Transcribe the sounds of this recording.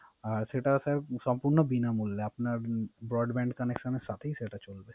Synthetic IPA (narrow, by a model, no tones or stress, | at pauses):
aʃeʈasɛsɔmpuɾnobinamulːeapnaɾbɾɔɖbɛ̃ɳɖkɐnekʃəneɾsat̪ʰeɦiʃeʈat͡ʃolbe